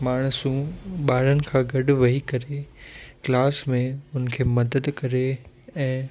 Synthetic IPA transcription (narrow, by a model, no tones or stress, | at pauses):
maːɽ̃ʊsũɓaːɾənɪ̆kʰãːɡɐɖʊʋɐɦikɐɾeklaːsmẽɦʊnəkʰeːmɐd̪əd̪kɐɾe | ɛ̃ː